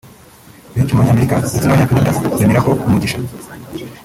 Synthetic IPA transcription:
ihat͡ʃumaɲaːmeɾikazitiaaɲakanadaɾimiɾako̞umuɟiʃḁ

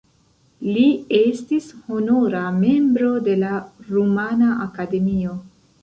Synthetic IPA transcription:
lie̞stisho̞noɾame̞mbɾo̞de̞laɾumanaʔakade̞mio̞

